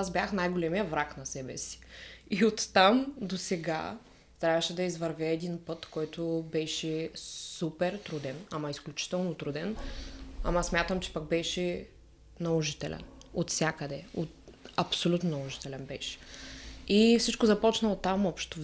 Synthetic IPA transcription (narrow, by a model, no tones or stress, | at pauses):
azbʲjaxnajɡolɛmijəvɾaknɐsɛbɛ̰si̥iot̪ːamd̪osɛɡa̰ | t̪ɾʲavəʃɛd̪ɐizvɐɾvʲɛɛd̪inpɤt̪kɔjt̪obɛʃɛsupɛɾt̪ɾud̪ɛnamɐisklʲut͡ʃi̥t̪ɛlˠnot̪ɾud̪ɛnɐ̰mɐsmʲjat̪əmt͡ʃɛ̥pɐɡ̚bɛʃɛ | nɐlˠoʒit̪ɛlʔɛ̰not̪sʲjakəd̪ɛot̪ɐpsolʲut̪nonɐlˠoʒi̥t̪ɛlɛnbɛʃɛ̥ | ifsit͡ʃkozɐpɔt͡ʃnɐlˠot̪ːamɔpʃt̪o